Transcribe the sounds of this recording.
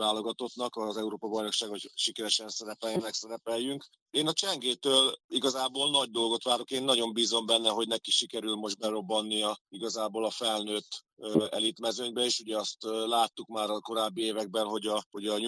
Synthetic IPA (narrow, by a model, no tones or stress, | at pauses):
aːlo̞ɡɒt̪o̞t̪nɒkɒzɛuɾoːpɒbɒjno̞kʃaːɡho̞cʃikɛɾɛʃɛnsɛɾɛpɛljɛnɛksɛɾɛpɛjyŋk | eːnɒt͡ʃɛŋɡeːt̪øːliɡɒzaːboːlnɒɟ̚d̪o̞lɡo̞t̪ʋaːɾo̞keːnːɒɟo̞mbiːzo̞mbɛnːɛɦo̞ɟnɛkikʃikɛɾylmo̞ʒd̪̚bɛɾo̞bːɒnːijɒiɡɒzaːboːlɒfɛlnøːt̪ːɛ̰lit̪mɛzøɲbɛeːʃuɟɛɒst̪laːt̪ːukmaːɾɒko̞ɾaːbːieːvɛɡ̚bɛnɦo̞ɟɒho̞ɟɒɲ